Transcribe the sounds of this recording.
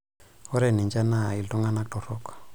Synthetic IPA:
ɔ˦ɾɛ˨ni˨nd͡ʒa˦na˦˨i˨ltɔ˦ŋɡa˦na˦k̚tɔ˨ɾɔ˦kḁ˨

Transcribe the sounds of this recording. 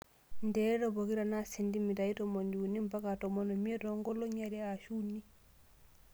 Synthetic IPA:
ndɛɾɔ˨bo˨ki˦ɾa˨na˦si˨ndi˦mi˨ta˨i˦tɔmo˨ndi˨u˨ni˦mba˦ka˨tɔ˨mo˨nɔ˨mi˦e˦tɔŋɡɔ˦lɔ˦ɲa˨ɾɛ˦a˨ʃu˦ni˦

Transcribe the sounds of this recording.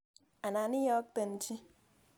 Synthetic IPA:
a˨na˨ni˦jɔ˦k̚te˨n̩˦t͡ʃi˦

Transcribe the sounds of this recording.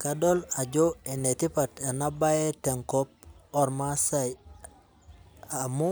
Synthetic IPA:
kadɔ˦la˨d͡ʒoe˨ne˨ti˦pa˨te˨na˦ba˦je˦te˨ŋkɔp̚ɔ˨ɾma˦sa˦j | amu˦

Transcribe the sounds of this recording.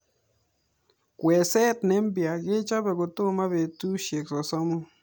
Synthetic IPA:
kwɛ˨sɛ˦˨t̪ne˦mbja˨ɡe˦t͡ʃa˦bɛ˨ɡo˨t̪o˦˨ma˦βe˨tu˦ʃe˨ksɔ˨sɔ˦mu˦

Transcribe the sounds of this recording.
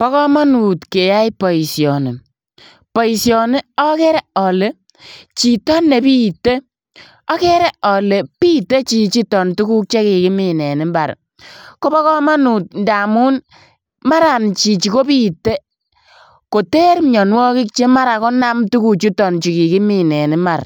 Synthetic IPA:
pɔ˦kɔ˦ma˦nu˨tke˨ja˦jpɔ˨i˨sjɔ˨ne˨ | pɔ˨i˨sjɔ˨ne˦ɔ˦kɛ˦ɾɛ˦ɔ˨le˦ | t͡ʃi˨tɔ˦nːe˨pi˦te˦ | ɔ˦kɛ˦ɾɛ˦ʔɔ˨le˨pi˦te˦t͡ʃi˨t͡ʃi˦tɔ˨ntu˦ku˦k̚t͡ʃe˦ki˨ki˦mi˨nɛ˨ni˨˦mba˨ɾ̰ | ko˦bɔ˦kɔ˦ma˦nu˨t̚nda˨mu˦n | ma˦ɾa˨nt͡ʃi˨t͡ʃi˨ko˦pi˦tːe˦ | ko˨te˦ɾɲɔ˨nwɔ˦ki˦k̚t͡ʃe˦ma˦ɾa˨kɔ˦na˦mtu˦ku˨t͡ʃi˦tɔ˨nt͡ʃi˨ki˨ki˦mi˨nɛ˨ni˦ma˨r

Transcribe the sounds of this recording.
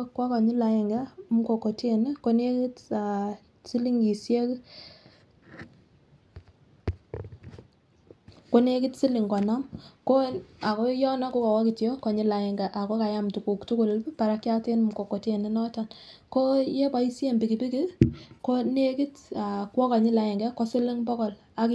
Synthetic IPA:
kwɔ˦kɔ˨ɲi˦la˨ɪ˨ŋɡa˦m˦ko˨ko˨te˦˨n˦ko˦ne˦ki˦ta˨ | si˦li˦ŋɡi˨sje˦k | ko˦ne˦ki˦tsi˦li˨ŋɡɔ˨na˦mko˦a˨kɔ˦jɔ˦nɔ˦ko˦ka˨wɔ˦ki˨tjo˦kɔ˨ɲi˦la˨ɪ˨ŋɡɛ˨ʔa˨ko˦ka˨ja˦mtu˨ku˨ktu˦ku˦lpa˨ɾa˦kja˦te˦nmko˨ko˨te˦˨ni˦nɔ˦ta˨nko˦je˦ba˨i˦sje˦˨mbi˨ki˨pi˦ki˦ko˦ne˦ki˦ta˨kwɔ˦ka˨ɲi˦la˨ɪ˨ŋɡɛ˦ko˦si˦lɪ˦ŋbɔ˦kɔ˨l | a˨k

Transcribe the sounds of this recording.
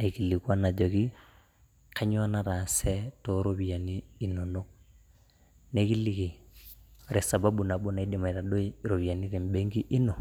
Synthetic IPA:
a˨i˨ki˨li˨kwa˦na˨d͡ʒɔ˨ki˦ | kʰa˦ɲwa˦na˦ɾa˨sɛ˦to˦ɾo˦βi˨a˨niː˦˨no˨no˦ | ne˦ki˦li˦ki˨ | ɾe˨sa˨ba˦bu˨na˨bo˦na˨i˦di˨ma˨i˨ɾa˨do˦ɾo˨βi˨a˨ni˦ɾe˨m˦be˦ŋɡi˦ʔi˦no˨

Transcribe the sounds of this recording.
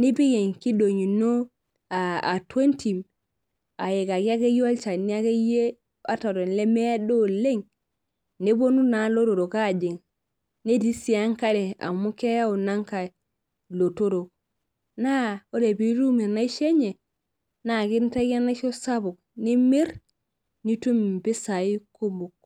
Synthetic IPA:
ni˦bi˦ɡe˨ŋki˦do˨ɲi˨no˦ | a˨a̰˨twe˦nti˨m | a˨je˨ka˨ki˦a˦ke˦ja˦lt͡ʃa˨ni˦a˦ke˦je˦ | a˦ta˨ɾo˨nle˦me˦a˦do˦le˦ŋ | ne˦bo˦nu˦na˨lo˦ɾo˨ɾo˨ka˦˨d͡ʒi˨ŋ | ne˦di˦si˨˦a˦ŋka˦ɾe˨a̰˨mu˦ke˦ja˦u˨na˦ŋka˨ | lo˨to˦ɾo˨k | na˦o˦ɾe˨bi˦ɾu˦me˨na˦i˦ʃe˦ɲe˨ | na˦˨ki˦n˦ta˦ɡa˦na˦ʃo˦sa˦bu˨k̚ | ni˦mi˦ɾ | ni˦tu˦mi˨mbi˦sa˨i˦ko˦mu˨k̚

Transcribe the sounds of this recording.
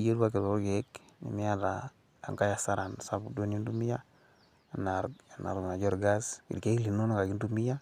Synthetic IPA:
d͡ʒe˦da˦ki˨ɾo˨˦ɡe˨˦knḭ˨mi˦ja˦da˨ | a̰˨ŋka˦ja˨sa˦ɾa˨nsa˦bu˨do˦n˦i˦ndu˦mi˦ja˦˨ | na˨ɾna̰˨ɾu˨m˨na˨d͡ʒɔ˦ɾɡa˦skḭ˨ɾke˦i˦li˨no˦na˦ka˨ɡi˦ndu˦mi˦ja˦

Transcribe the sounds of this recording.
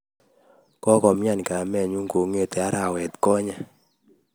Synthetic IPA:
kɔ˦kɔ˨mɲa˦˨n˨ka˨mɛ˨ɲu˦ŋko˨ŋo˦˨t̪e˨a˦ɾa˨wɛ˨t̪kɔ˦ɲa˦

